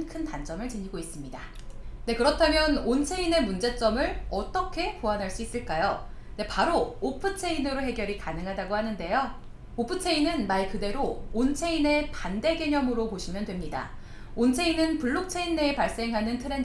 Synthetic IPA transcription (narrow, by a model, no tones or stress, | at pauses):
nkʰɯntand͡ʑ͈ʌmɯɭt͡ɕɯɲiɡois͈ɯmɲida | ne̞kɯɾʌtʰamjʌnont͡ɕʰe̞ine̞mund͡ʑe̞t͡ɕ͈ʌmɯɭʌt͈ʌkʰe̞koanɦaɭs͈uis͈ɯɭk͈ajo | ne̞paɾoːpʰɯt͡ɕʰe̞inɯɾoɦe̞ɡjʌɾikanɯŋɦadaɡohanɯnde̞jo | opʰɯt͡ɕʰe̞inɯnmaikɯde̞ɾoːnt͡ɕʰe̞ine̞pande̞ɡe̞ɲʌmɯɾopoɕʰimjʌndwe̞mɲida̰ | ont͡ɕʰe̞inɯnpuɭːok̚t͡ɕʰe̞inːeːpaɭs͈e̞ŋɦanɯntʰɯɾe̞n